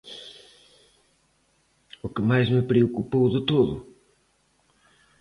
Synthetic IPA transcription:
ukɨmajzmɨpɾeokupowðɨt̪oðʊ̰

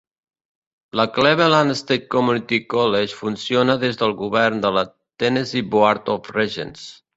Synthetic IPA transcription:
ləklɛβelanəst̪et̪̚komunit̪ikɔleʃfunsionəðezðəlˠɣuβɛɾnd̪ələ | t̪ɛneziboaɾt̪ɔfreʒḛns

